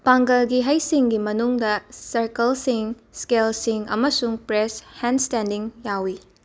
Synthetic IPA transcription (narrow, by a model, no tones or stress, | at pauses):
paŋɡɐlɡiɦɐjsiŋɡimɐnuŋdɐsɐɾkɐlsiŋ | skelsiŋɐ̰mɐsuŋpɾeshenstendiŋjawi